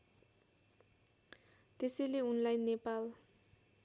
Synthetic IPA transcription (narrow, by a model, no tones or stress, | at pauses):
tʼɪsɪlɪɔnlajnːɛpʼal